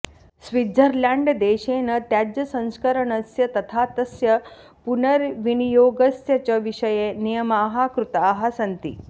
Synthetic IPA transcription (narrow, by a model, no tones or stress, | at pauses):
sʋid̪ʱəɾljaɳɖd̪eɕeːnət̪jad͡ʑjɐsɐ̃w̃skəɾəɳɐsjɐt̪ɐt̪ʰat̪ɐsjɐ | punəɾʋinijoːɡəsjɐt͡ɕɐʋiʂəjenijəmaːɦakɾut̪aːɦasɐnt̪ḭ